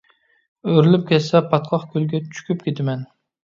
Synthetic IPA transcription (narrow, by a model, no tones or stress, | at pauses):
øɾlɪp̚kʲʰɛsɛpʰɑt̪̚qʰɑχkʲʰylɡʲɛt͡ʃʰy̥kʲyp̚kʲet̪ɪmɛn